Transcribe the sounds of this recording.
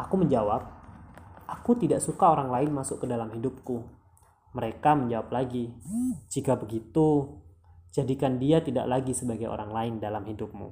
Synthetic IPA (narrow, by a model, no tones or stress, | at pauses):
ʔakuməɲd͡ʒawap̚ | ʔakut̪idaʔsukaoɾaŋlaɪnmasʊkːədalamɦidʊp̚ku | məɾekaməɲd͡ʒawap̚laɡit͡ʃiɡabəɡit̪u | d͡ʒadikandiat̪ida̰ʔlaɡisəbaɡajo̰ɾaŋlaɪndalamhidʊp̚mṵ